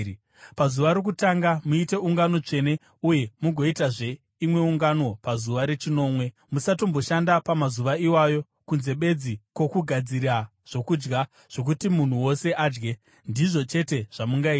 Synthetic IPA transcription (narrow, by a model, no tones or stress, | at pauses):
pazuʋaɾok̬utaŋɡamuite̞uŋɡano̞t͡ʂe̞ne̞ | uje̞muɡʱo̞itaʐe̞ | imwe̞uŋɡano̞pazuʋaɾe̞t͡ʃino̞ːmwe̞ | musatombo̞ʃandapamazuʋaiwajo̞ | kunze̞ɓe̞d͡zikwo̞kuɡʱad͡ziɾa | ʐ̥o̞kud͡ʒɡa | ʐ̥o̞k̬utimun̤uwo̞se̞ʔaːd͡ʒɡe̞ | ndiʐo̞t͡ʃe̞te̞ʐ̥amuŋɡaiːi